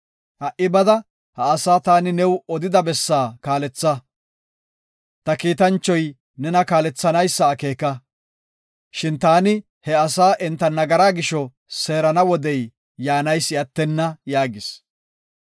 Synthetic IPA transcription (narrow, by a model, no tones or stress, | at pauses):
hɐʔɪbɐd̪ɐ | hɐːsaːt̪aːnɪnɛwɔd̪ɪd̪ɐbɛsːaːkaːlɛt͡sːɐ | t̪ɐkiːt̪ɐnt͡ʃːɔj | nɛnɐkaːlɛt͡sːɐnɐjsːɐːke̞ːkɐ | ʃɪnt̪aːnɪ | hɛɐsaːʔɛnt̪ːɐnɐɡɐɾaːɡɪʃɔ | se̞ːɾɐnɐwɔd̪ɛjː | aːnɐjsɪɐt̪ːɛnːɐjaːɡɪs